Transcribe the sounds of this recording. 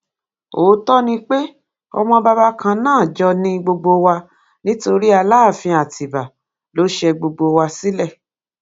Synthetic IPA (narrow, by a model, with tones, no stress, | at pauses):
oː˨˦tɔ˦nĩ˧k͡pe˦ | ɔ̰˧mɔ̃˧ba˧ba˦kʰã˧nãː˦˨d͡ʒɔ˧nĩ˧ɡ͡bo˧ɡ͡bo˧wa˧ | nĩ˦to˧ɾi˦a˧laː˦˨fĩ˧a˨ti˨ba˨ | lo˨˦ʃɛ˧ɡ͡bo˧ɡ͡bo˧wa˧si˦lɛ˦˨